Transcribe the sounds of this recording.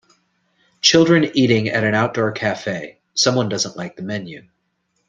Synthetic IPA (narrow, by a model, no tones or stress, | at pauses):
t͡ʃʰɪlˠdɹɨ̃niɾɪ̃ŋɨ̰ɾɨ̃naʊt̚d̥ɔɹkʰæfeɪ | sʌ̃mwʌ̃ndʌzə̃nʔlaɪk̚ðəmɛ̃njʉ